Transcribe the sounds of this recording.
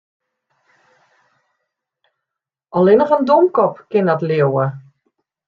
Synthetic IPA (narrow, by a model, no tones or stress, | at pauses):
ɔlɪnəχəndomkɔpkɪnɔtleəwə